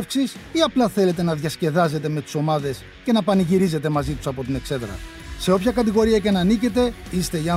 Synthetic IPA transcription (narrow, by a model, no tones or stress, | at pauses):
fksisiɐplɐθe̞le̞t̪e̞nɐðʝɐsce̞ðɐzet̪e̞me̞t̪i̥so̞mɐðe̞s | ce̞nɐpɐniʝiɾize̞t̪e̞mɐzit̪u̥sɐpo̞t̪ine̞kse̞ðɾɐ̰ | se̞o̞pçɐkɐt̪iɣo̞ɾiɐcenɐnice̞t̪e̞ | ist̪e̞iɐ